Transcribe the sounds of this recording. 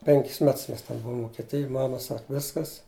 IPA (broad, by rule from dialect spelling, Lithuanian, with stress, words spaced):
ˈpʲɛŋʲkʲɪs ˈmʲɛts ˈmʲɛs tʲɛn ˈbʊʋʊm ʋʊkʲɛˈtʲɪjʊj ˈmɑːmɐ ˈsɐk ˈʋʲɪskɐs